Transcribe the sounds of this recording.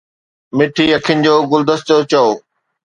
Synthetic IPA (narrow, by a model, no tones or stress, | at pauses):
mɪʈʰiɐkʰɪnɪ̆d͡ʑoːɡʊld̪əst̪ot͡ɕɐoː